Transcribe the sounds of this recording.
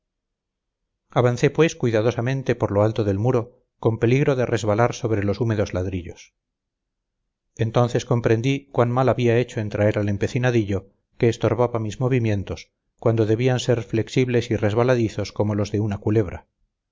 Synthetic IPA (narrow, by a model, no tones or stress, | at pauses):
aβanθe̞pwe̞skwuijðaðo̞samẽnt̪e̞po̞ɾloalt̪oðe̞lmuɾo̞ | ko̞mpe̞liɣɾo̞ðere̞zβalaɾso̞βɾe̞lo̞sume̞ðo̞zlaðɾiʎo̞̰s | e̞nt̪o̞nθe̞sko̞mpɾe̞nd̪ikwanmalaβiae̞t͡ʃo̞ent̪ɾae̞ɾale̞mpe̞θinaðiʎo̞ | ke̞ːst̪o̞ɾβaβamizmo̞β̞imje̞nt̪o̞s | kwand̪o̞ðe̞βianse̞ɾfle̞ksiβle̞sire̞zβalaðiθo̞sko̞mo̞lo̞zðe̞unakule̞β̞ɾa̰